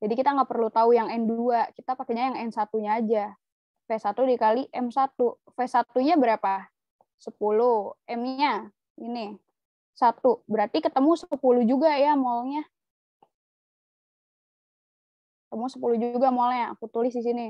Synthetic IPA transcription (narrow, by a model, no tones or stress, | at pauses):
d͡ʒadikit̪aŋɡapərlut̪aujaŋɛnduakit̪apakɛɲajaŋɛnsat̪uɲaːd͡ʒa | fɛsat̪udikaliʔɛmsat̪u | fɛsat̪uɲabəɾapa | səpuluʔɛmɲa | ini | sat̪ubəɾart̪ikət̪əmusəpulud͡ʒuɡajamolɲa | kət̪əmusəpulud͡ʒuuɡamolɲaa̰kut̪ulɪsdis̬ini